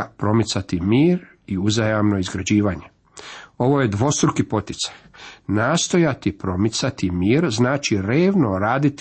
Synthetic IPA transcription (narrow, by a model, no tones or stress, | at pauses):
pɾo̞mit̪sat̪imiːɾ | iuzajamno̞izɡɾad͡ʑiːʋaːɲe | o̞ʋo̞jed̪ʋo̞st̪ɾukipo̞t̪it̪sajnaːst̪o̞jat̪ipɾo̞mit̪sat̪imiːɾznaːt͡ʃiɾeːʋno̞ɾaːd̪it̪